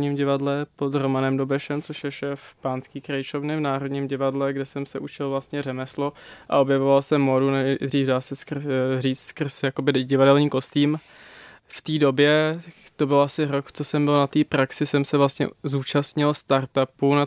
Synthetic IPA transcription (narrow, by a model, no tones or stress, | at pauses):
ɲiːmɟɪvadlɛpod̪ɾomanɛmdobɛʃɛmt͡soʃjɛʃɛːfpaːnskiːkɾajt͡ʃo̞vnɪvnaːɾodɲiːmɟɪvadlɛɡdɛsɛmsɛʔut͡ʃɪlvlast̪ɲɛrɛmɛsloʔa̰ʔo̞bjɛvovalsɛmodunɛdriːfdaːsɛskr̩riːt͡sskr̩sjako̞bɪɟɪvadɛlɲiːko̞st̪iːm | ft̪iːdo̞bjɛ | t̪o̞bɪlʔasɪɾokt͡sosɛmbɪlnat̪iːpɾaksɪsɛmsɛvlast̪ɲɛ̰zuːt͡ʃast̪ɲɪlst̪aɾt̪apuna